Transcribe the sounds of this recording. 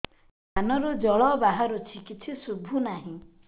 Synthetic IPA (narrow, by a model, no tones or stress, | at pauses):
anɔɾud͡ʒɔɭɔbaɦaɾut͡ʃʰikit͡ʃʰisubʱunaɦĩ